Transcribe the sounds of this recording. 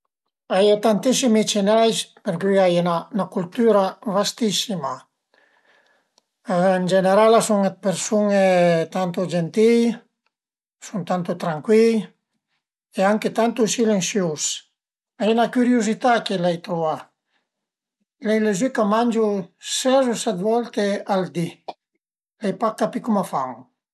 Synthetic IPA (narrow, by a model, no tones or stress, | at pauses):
ajat̪ant̪isimit͡ʃenajspeɾkyajenanakult̪yɾavast̪isima | nd͡ʒeneɾalasuŋepeɾsuŋet̪ant̪ud͡ʒent̪ij | sunt̪ant̪ut̪ɾaŋkwil | eaŋket̪ant̪usilensjos | anakyɾjuzit̪akelajt̪ɾuva | lɛjlezykamand͡ʒusɛzusad̪vɔlt̪eald̪i | lajpakːapikumafaŋ